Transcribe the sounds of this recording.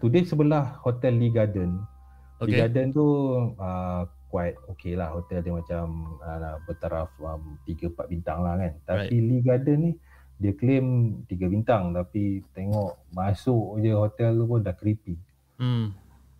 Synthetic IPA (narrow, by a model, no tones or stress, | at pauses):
t̪udesəbəlahhot̪ɛlːiɡadən | liɡadənt̪uəkwait̪̚okelahhot̪ɛldəmat͡ʃaməbət̪aɾafəmt̪iɡəpat̪̚bint̪aŋlahkant̪ailiɡadənːih | diəklemt̪iɡəbint̪aŋt̪apit̪eŋɔʔmasʊʔd͡ʒəhot̪ɛlt̪upʊndahkɾipi